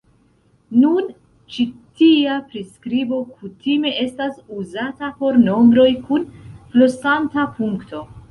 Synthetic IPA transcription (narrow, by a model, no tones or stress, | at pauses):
nun | t͡ʃitiapɾiskɾibo̞kutime̞ʔe̞stasuzatapo̞ɾno̞mbɾo̞jkunflosantapuŋkto̞